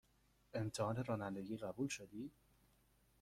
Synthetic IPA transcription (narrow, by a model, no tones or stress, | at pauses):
e̞mt̪ʰehɒːne̞ɾɒːnænd̪eɟiːɣæbuːlʃod̪iːd̪